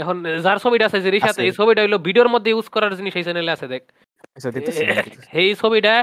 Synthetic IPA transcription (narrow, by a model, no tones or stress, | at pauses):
ɛkʰonzaɾt͡sʰobiʈaasʰeziɾiʃat̪ejsʰobiʈaɦolobiɖijoɾmod̪ʱːeuskɔɾaɾd͡ʑiniʃejseneleasʰed̪ek̪̚ | hejsʰobiʈa